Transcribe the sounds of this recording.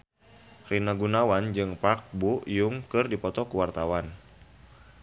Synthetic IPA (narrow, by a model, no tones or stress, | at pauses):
rinaɡunawand͡ʒɨŋpak̚bujuŋkɨrdipɔt̪ɔkuwart̪awan